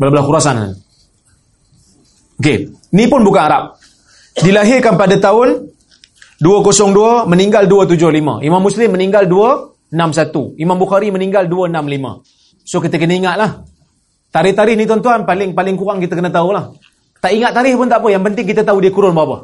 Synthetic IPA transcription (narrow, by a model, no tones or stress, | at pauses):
bəlabəlaxuɾasan̰ | okḛnipʊnbukanaɾap̚ | dilaɦɪrkanpadat̪aʊn | duəkosɔŋduəməniŋɡalduət̪̬ud͡ʒʊhlimə̰̃imamːuslɪmːəniŋɡalduə | ənamsat̪uimambuxaɾiməniŋɡalduənamlimə̰̃ | sokit̪əkənəiŋat̪̚lah | t̪aɾɪht̪aɾɪhnit̪ant̪uanpalɪŋpalɪŋkuɣaŋkit̪əkənət̪aulah | t̪aʔiŋatʔt̪ːaɾɪhpʊnt̪aʔpəjaŋpənt̪ɪŋkit̪ət̪audiəkuɾʊnbaɦapə̰